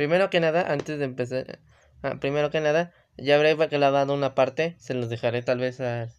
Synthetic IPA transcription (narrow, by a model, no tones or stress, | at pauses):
pɾimeɾokenaðaʔant̪ezðempesa̰ | pɾimeɾokenaða | ʝaːβɾeβakelaβaðounapaɾt̪eseloðexaɾet̪alβesal